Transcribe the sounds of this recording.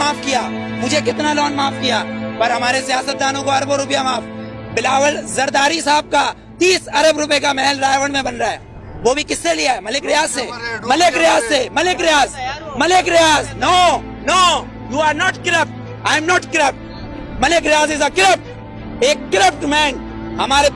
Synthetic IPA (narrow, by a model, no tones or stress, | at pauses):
aːfkijamʊd͡ʒʱekɪt̪nalɔːnmaːfkijapɐɾɦɐmaːɾesjaːsət̪̚d̪aːnõkoɐɾboɾʊpjamaːfbɪlaːʋəlzɐɾd̪aːɾisaːəb̚ka | t̪iːsɐɾəbɾʊp̬ekamɛːlɾaːjʋə̃ɽ̃mẽbɐnɾaːɛ̰ː | ʋoːbʱikɪsːelijaɦɛːmɐlekɾɪjaːzseːmɐleːkɾɪjaːzsemɐleːkɾɪjaːzmɐleːkɾɪjaːznoː | noː | juːaːɾnɔːʈkɪɾəp̚ʈ̚ | aːɪ̃mnɔːʈkɾəp̚ʈ | mɐlekɾɪjaːzɪzəkɪɾəp̚ʈ̚ | eːkːɪɾəp̚ʈmɛ̃ːn | ɦɐmaːɾe